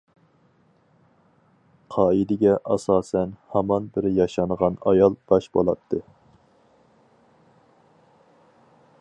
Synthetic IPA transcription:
qʰɑːid̪ɪɡʲɛʔɑsɑːsɛnhɑmɑnbɪɾjɑʃɑnʁɑnɑjɑlˠb̥ɑʃbolˠɑt̪ʰːɨ

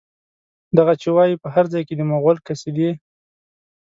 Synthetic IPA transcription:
d̪aɣat͡ʃewɑjipəɦaɾd͡zɑjked̪əmoɣalkased̪i

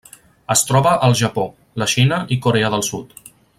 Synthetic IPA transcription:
əst̪ɾɔβəʔəlˠʒəpo | ləʃinəʔikuɾeəðəlˠsut̪

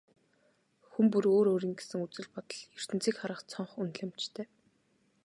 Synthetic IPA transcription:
xumpuɾoːɾoːɾiːŋɡe̥sɘ̆ŋut͡sɘ̆ɮpɔt̪ɞ̆ɮjɵr̥t̪ɘ̆nt͡siːkχaɾə̆χt͡sʰɔɴχunt̪ɮæ̆m̥t͡ɕt̪ʰeː

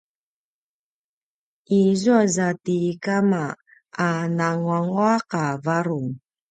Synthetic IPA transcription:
ʔizuazatikama | anaŋwaŋuaqavaɾuŋ

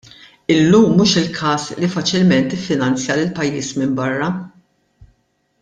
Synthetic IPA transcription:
ɪlːuːmːuːʃɪlkʰɐːslifɐt͡ʃɪlmɛnt̪ɪfːɪnɐnt͡sjɐlɪlpɐjːiːsmɪmbɐrːɐ

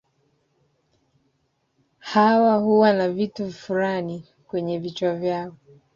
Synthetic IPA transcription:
hawahuwanavituvfulani | kwɛɲɛvit͡ʃwavjaɔ

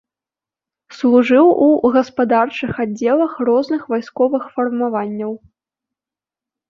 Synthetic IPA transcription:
slˠuʐɨwuɣɐspad̪art͡ʂɨxadd͡zʲɛlˠɐxrɔznɨxvajskɔvɨxfɐrmavanʲːɐw

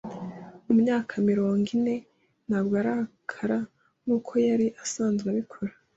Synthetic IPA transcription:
umɲaːkʰamiɾo̞ːŋɡine̞ | n̥haːbɡoaɾahakʰaɾa | ŋuːkʰo̞jaɾiʔasaːnzɡeβikʰoɾa

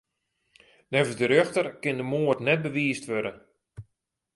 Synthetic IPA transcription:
nɛvəzdəɾøxtərkɪndəmoərtnɛt̚bəʋiːstʋødə

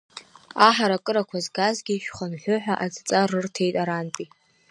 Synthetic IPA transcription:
aħaɾakʼɨɾakʷʰazɡazɡʲiʃᶣχanħʷʊħʷᶣaʔad͡zt͡sʼarɨrtʰejtʼaɾanpʼi

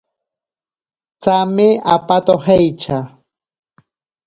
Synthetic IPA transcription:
t͡samɪapat̪ohejt͡ʃa

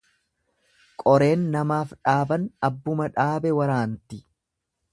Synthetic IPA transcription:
kʼɔɾe̞ːnːɐmaːfᶑaːbɐnɐbːʊmɐᶑaːbɛwɐɾaːnt̪ɪ

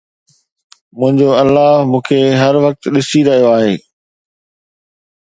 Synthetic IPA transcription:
mʊ̃ɦɪ̃ɲd͡ʑoɐlːaːmũːkʰeɦɐɾʋɐk̚t̪ɗɪsiɾɐɦijoaːɦeː

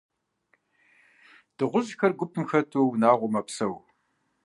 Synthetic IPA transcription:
d̥ɨʁʷʊʑxɐrɡʷʊpʰɨmxɐtʰuwnaːʁʷʊmɐpsɐw

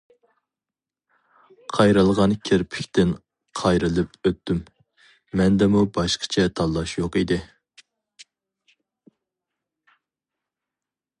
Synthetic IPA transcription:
qʰɑjɾɨlˠʁɑnkʲʰeɾpʰɪ̥kʲt̪ɪn | qʰɑjɾɨlˠɨpøt̪ːymː | ɛnd̪ɛmubɑʃqʰə̥t͡ʃʰɛt̪ʰɑlˠːɑʃjoqid̪ɪ

